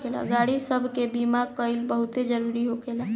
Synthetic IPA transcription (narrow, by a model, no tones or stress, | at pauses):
ela̰ɡaɽisəbʱkebimakəɪlbəɦut̪ed͡ʒəɾuɾiɦokela